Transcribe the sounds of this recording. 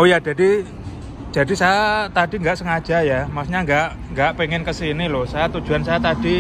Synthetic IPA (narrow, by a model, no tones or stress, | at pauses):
ojadd͡ʒ̥adi | d̥ʒ̥a̤disajat̪adi̤ŋɡaʔsəŋad̥ʒ̥ajamasɲaŋɡaʔ | ŋɡaʔpeŋɪnkəsinilosajat̪ud̥ʒ̥uansajat̪ad̥i